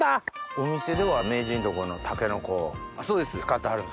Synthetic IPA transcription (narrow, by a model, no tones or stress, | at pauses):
ao̞mʲise̞d̪e̞βame̞ːd͡ʑĩnt̪o̞ko̞no̞t̪ʰake̞no̞ko̞ː | aso̞ːd̪e̞sɨɕi̥kat̪ːaɦaɾɯ